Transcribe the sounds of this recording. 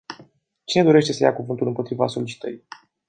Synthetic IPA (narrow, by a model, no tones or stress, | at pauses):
t͡ʃine̞d̪o̞ɾe̞ʃt̪e̞səjakuvɨnt̪ulɨmpo̞t̪ɾiva̰so̞lit͡ʃi̥t̪əɾi